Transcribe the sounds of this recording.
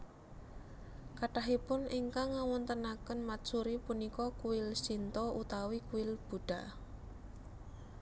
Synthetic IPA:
kaʈaɦipʊnʔiŋkaŋawɔnt̪ənakənmat̪suɾipunikɔkuwɪlsint̪ɔut̪awikuɪlb̥uɖ̥a̤

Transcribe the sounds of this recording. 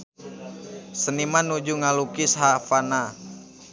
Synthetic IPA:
sənimanːud͡ʒuŋalukɪsɦafana

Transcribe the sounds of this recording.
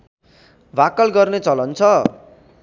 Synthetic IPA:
bʱakʌlɡʌrnet͡sʌlʌnt͡sʰʌ

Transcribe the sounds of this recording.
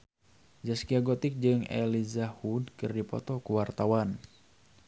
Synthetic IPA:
d͡ʒaskiaɡɔt̪ɪk̚d͡ʒɨŋɛ̰lizahud̚kɨrdipɔ̰t̪ɔkuwart̪awan

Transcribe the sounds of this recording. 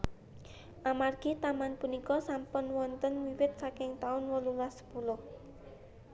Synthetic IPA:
ʔamarɡ̥it̪amanpunikɔsampʊnwɔnt̪ənwiwɪt̪̚sakɪŋt̪aʊnwəlulasə̥pulʊh

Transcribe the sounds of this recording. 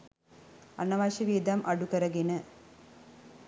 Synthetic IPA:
ɐnːɐʋaːɕɐʋiːd̪amʔɐɽukɐɾɐɡinɨ

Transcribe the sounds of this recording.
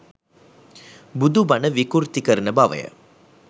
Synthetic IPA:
bʊd̪ubɐnɐʋɪkuɾt̪ikɐɾnɐbaːʋɐ̰jɐ̰

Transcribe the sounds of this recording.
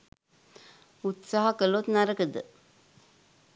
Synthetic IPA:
ut̪saːɦɐkəlot̪naɾəkəd̪ə

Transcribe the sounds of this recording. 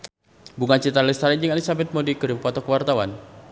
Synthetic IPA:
buŋant͡ʃit̪alist̪aɾind͡ʒɨŋalisabɛt̪̚mɔdikəɾimpat̪ɔkəwart̪awan

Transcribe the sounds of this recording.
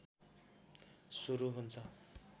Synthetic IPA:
suɾuɦunt͡sʰʌ

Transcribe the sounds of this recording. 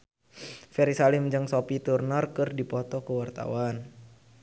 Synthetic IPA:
fɛɾisalimd͡ʒɨŋsopit̪urnɔrkɨrdipɔt̪ɔkəwart̪a̰wan

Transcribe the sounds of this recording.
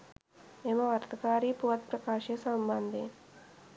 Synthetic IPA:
emɐʋɐɾt̪ɐkaːɾiːpuʋɐt̪pɾɐkaːʃɐɐsɐmbɐnd̪e

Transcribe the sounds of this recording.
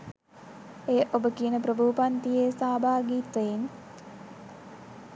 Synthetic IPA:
ejəʔobəkiənəpɾəbʱuːpant̪ijeːsaːbaːɡiːt̪ein

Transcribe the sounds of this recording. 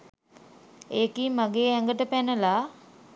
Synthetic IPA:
eːkiːmaɡeːæŋɡəʈəpænəla

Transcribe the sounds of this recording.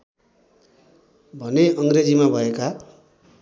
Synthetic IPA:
bʱʌneʔʌŋɡred͡zimabʱʌeka

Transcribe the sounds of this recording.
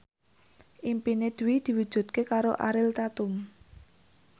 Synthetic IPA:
ʔimpined̪̥ṳwid̪̥i̤wud̥ʒ̥ṳt̪̚kekaɾoʔa̰ɾɪlt̪at̪ʊm

